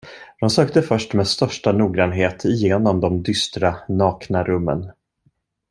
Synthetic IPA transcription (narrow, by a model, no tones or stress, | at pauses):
d̪̥ɔmsøːk̚t̪əfœʂʈmeːd̪st̪œʂʈanuːɡɾanɦeːt̪ʰɪjeːnɔmd̪ɔmd̪ʏst̪ɾanɑːknaɾɵmːə̰n